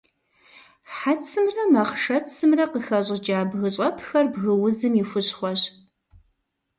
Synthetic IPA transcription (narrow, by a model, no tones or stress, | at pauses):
ħat͡sʰɨmrɐmɐχʃɐt͡sʰɨmrɐqəxɐɕʼɪd͡ʒaːbɣɨɕʼɐpʰxɐrbɣɨwʊzɨmifʷʊɕχʷɔɕ